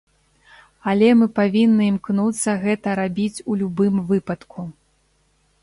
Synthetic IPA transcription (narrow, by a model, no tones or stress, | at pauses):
alʲɛmɨpavʲinːɨimknut̪sːɐɣɛt̪ɐɾabʲit͡sʲulʲubɨmvɨpɐt̪kʰu